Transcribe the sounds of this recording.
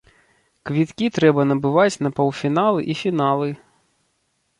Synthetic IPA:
kvʲit̪kʲit̪ɾɛbɐnɐbɨvat͡sʲnɐpɔwˠfʲinalˠɨʔifʲinalˠɨ

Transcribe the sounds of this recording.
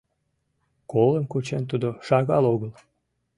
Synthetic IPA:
koləmkut͡ɕent̪ud̪oʃɑɣɑloɣəl

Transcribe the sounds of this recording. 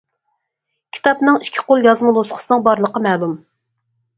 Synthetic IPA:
kʲʰi̥t̪ʰɑpnɨŋiʃkʲʰːi̥qolˠjɑzmɨlˠosqʰə̥sɨnɨŋbɑɾlˠəqəmɛɦlum

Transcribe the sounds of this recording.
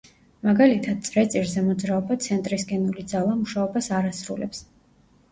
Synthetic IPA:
maɡalit̪ʰad̪̥̚t̪sʼɾɛt̪sʼiɾzɛmɔd̪zɾaɔbat̪sʰɛnt̪ʼɾisɡɛnulid̪zalˠamuʃaɔbasaɾasɾṵlɛps

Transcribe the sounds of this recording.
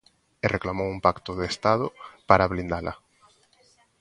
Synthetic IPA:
erʔeklamowumpakt̪ʊðest̪aðʊpaɾaβlind̪alʔɐ̰

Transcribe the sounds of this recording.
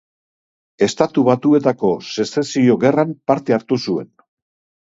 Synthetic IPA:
e̞st̪at̪uβat̪ue̞t̪ako̞se̞sesio̞ɣe̞rampaɾt̪e̞aɾt̪usue̞̰n

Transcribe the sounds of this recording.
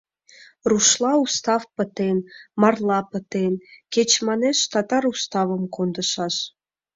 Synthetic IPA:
ruʃlˠɑust̪ɑfpə̆t̪enmɑrlˠɑpə̆t̪enket͡ɕmɑneʃt̪ɑt̪ɑɾust̪ɑvə̆mkond̪ə̆ʃɑʃ

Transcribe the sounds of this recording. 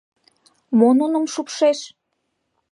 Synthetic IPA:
mononəmʃupʃeʃ

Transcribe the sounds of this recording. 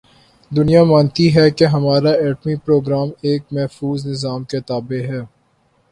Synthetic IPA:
d̪ʊnijamãːnt̪iɦɛkeɦɐmaːɾaɛːʈmipɾoːɡɾaːmeːk̚mɛɦfuːznɪzaːmket̪aːbeɦɛː

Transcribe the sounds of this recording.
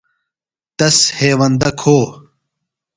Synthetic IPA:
t̪ɐsheːwɐnd̪ɐkʰoː

